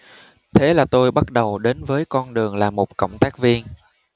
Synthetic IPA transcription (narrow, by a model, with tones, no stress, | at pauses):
t̪ʰe˨˦laː˨˩t̪o˧jɓa˦˥t̚ɗə˨˩wɗe˨˦nvəː˨˦jkɔ˧nɗɨ˨˩əŋlaː˨˩mo˨˩t̚kə̰˧˩wŋ͡mt̪aː˦˥k̚vi˧ən